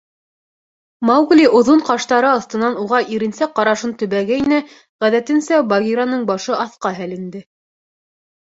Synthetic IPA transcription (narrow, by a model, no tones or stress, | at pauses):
mɑwɡlʲiʔŏðoɴqɑʃt̪ɑɾɤɑθt̪ɤ̆nɑnuʁɑʔiɾɘ̆nsæqɑɾɑʃɤnt̪ɵ̆βæɡæinæ | ʁæðæt̪ɘ̆nsæbɑɣʲiɾanɤɴbɑʃɤɑθqɑɦælɘ̆nd̪ɘ